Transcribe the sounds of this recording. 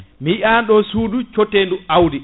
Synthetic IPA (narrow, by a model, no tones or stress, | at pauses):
miiʔanɗɔsuːdut͡ʃotːenduawdi